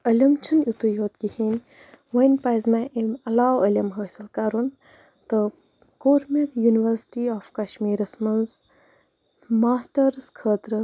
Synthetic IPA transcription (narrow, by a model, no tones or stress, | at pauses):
ɐlʲɐmt͡ʃʰɐnut̪ujoːt̪̚kihiːnʲ | ʋɐjnʲpajzmaʔimɐlaːwɐlʲɐmɦəːsɐlkaːɾun | t̪ɨ | koːɾmʲekjuːniʋəɾsi̥ʈiɔːfkɐʃmiːɾɐsmɐnz | maːsʈɐɾskʰəːt̪ɾɨ